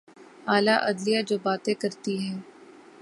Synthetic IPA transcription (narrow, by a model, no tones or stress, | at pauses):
aːlaʔɐd̪lijad͡ʒoːbaːt̪ẽkɐɾt̪iɦɛ̃ː